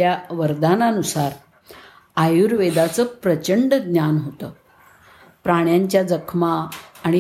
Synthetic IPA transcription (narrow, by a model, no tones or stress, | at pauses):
jaʋəɾd̪ananusaɾ | ajuɾʋed̪at͡səpɾət͡ɕəɳɖɡnjanɦot̪ə | pɾaɽ̃jaɲt͡ɕjad͡zəkʰmaːɽ̃i